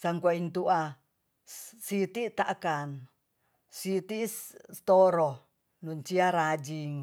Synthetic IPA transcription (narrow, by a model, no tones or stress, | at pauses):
saŋkuaint̪uʔa | ssit̪it̪aʔkan | sit̪ist̪oɾo | nuɲt͡ʃiaɾad͡ʒiŋ